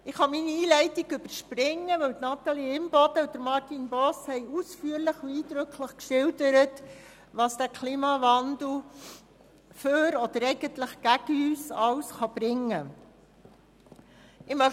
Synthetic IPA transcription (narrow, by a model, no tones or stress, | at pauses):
ɪχhɑminiiːlɛɪtiɡʏb̥əɾʃpɾɪŋːəʋœwtnɑt̪ɑliɪmb̥ɔd̥əʊd̥əɾmɑɾtinbɔshɛɪusfyːəɾləχuiːd̥ɾøkʰləχkʃɪldəɾət | ʋɑsd̥ækʰliːmɑvɑnd̥l̩ˠ | føɾɔd̥̪əɾɛɪɡ̥əntləχɡ̥æɡ̥əyːsɑwsχɑb̥ɾɪŋːə | ɪmœ